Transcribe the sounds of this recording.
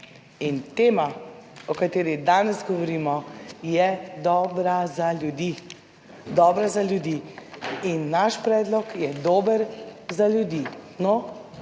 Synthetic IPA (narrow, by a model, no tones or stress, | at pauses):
int̪eːmaɔkat̪eːɾid̪aːnɛzɡɔʋɔɾiːmɔjɛd̪ɔːbɾazaljud̪i | d̪ɔːbɾazaljud̪iːinːaʃpɾɛːd̪lɔkjɛd̪oːbəɾzaljud̪iːnɔ